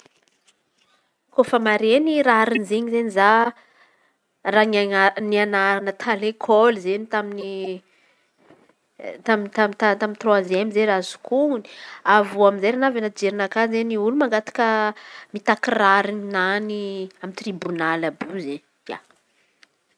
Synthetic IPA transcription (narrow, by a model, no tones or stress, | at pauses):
kofəmaɾeniɾaɾinizeɲizeniza | ranaanianaɾanət̪ʰalekʰɔlzenit̪amini | t̪amint̪amit̪at̪amint̪rwoazɛmizeɾazu̥kʰuuni̥avuamizejɾanavanad͡ʒeɾinakazzeniulumaŋɡat̪ḁkəmit̪akiraɾininaniamint̪ribunalabuze | ja̰